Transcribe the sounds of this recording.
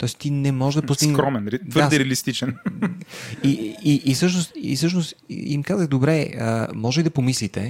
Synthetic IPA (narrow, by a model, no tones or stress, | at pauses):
t̪ɔɛst̪inɛmɔʒʒd̪ɐpʊst̪iɡ̪kɾɔmɛnɾt̪vɤɾaɾad̪ɛɾɛɐlist̪it͡ʃɛn | iiʔːsɤʃnost̪ḭsɤʃ̬noʊst̪ḭmkazəɣd̪obɾɛə̰mɔʒɛlid̪ɐpomislit̪ɛ